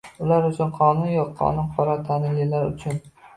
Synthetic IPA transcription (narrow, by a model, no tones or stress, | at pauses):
ʊlaɾʊt͡ʃʰʊnqʰɒnʊnjɒqʰːɒ̰nʊnqʰɒɾɒt̪ʰanɪlɪlaɾʊ̰t͡ʃʰʊn